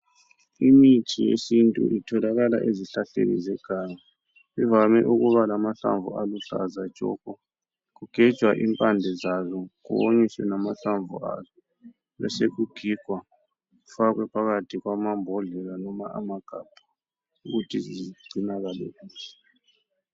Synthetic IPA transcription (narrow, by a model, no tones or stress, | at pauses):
imitʰijḛsintʼṵʔitʰɔlaɣala̰ʔeziɬaɬḛnḭzɛɡ̥ʱaːŋa | βivamɛʔuɣuβalamaɬa̰ɱvʱṵaluɬa̰zḁʒ̥ʱɔ̰kɔ | ɣuɡ̥ʱɛ̥ʒ̥ʱwaʔimpʼandʱɛzazɔkṵβoɲiswɛnamaɬaɱvʱṵa̰zɔ | lɔ̰seɣuɡ̥ʱiɡ̥ʱwa | ɣufak̬wɛpʰaɣatʰiɣwamambʱɔɮɛlanɔmaʔa̰maɡ̥ʱab̥ʱḁ | uɣutʰizizɡ͡ǀʱinaɣalɛkiːzɔ̥